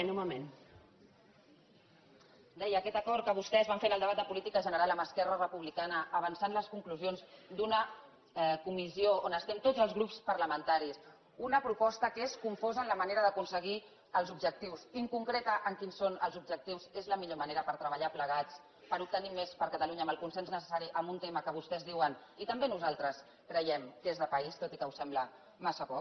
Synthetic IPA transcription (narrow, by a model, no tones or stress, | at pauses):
nuβəmen | d̪ɛjəːkɛt̪əkɔɾt̪̚kəβ̞ust̪ɛzβaɱfenəlˠd̪əβat̪d̪əpulit̪ikəʒənəɾalˠəməskɛrərəpuβlikanəəβənsanləskuŋkluzionzd̪unə | ɛkumizioonəst̪ɛmt̪od͡zəlˠzɣɾupspəɾləmənt̪aɾis | unəpɾupɔst̪əkeskuɱfozənləməneɾəðəkunsəɣi | əlˠzubʒək̚t̪iwsiŋkuŋkɾet̪əʔəŋkinsːonəlˠzub̚ʒək̚t̪iwzezləmiʎoməneɾəpəɾt̪ɾəβəʎapləɣ̞at͡s | pəɾup̚t̪ənimespəɾkət̪aluɲəməlˠkunsɛnznəsə̥saɾiʔəmbunt̪eməkəβ̞ust̪ɛzðiwən | it̪əmbenuzalˠt̪ɾəs | kɾəjɛmd̪ezðəpəist̪ot̪ikəwsɛmblə | masəpɔk